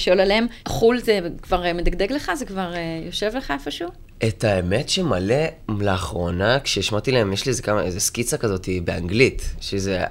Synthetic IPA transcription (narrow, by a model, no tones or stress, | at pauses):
ʃolaleemχulzekvaʁmed̪aɡd̪eɡleχazekvaʁejo̞ʃe̞vleχaefoʃuː | etaeme̞tʃemale̞leːχʁo̞nakʃeiʃmat̪ileemjeʃlizekamaezeskit͡sakazo̞tibeaŋɡlitʃeze